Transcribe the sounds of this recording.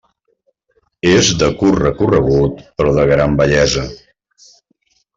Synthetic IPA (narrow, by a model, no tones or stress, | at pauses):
ezd̪əkurrəkurəɣ̞ut̪pɾɔðəɣɾambəʎɛzə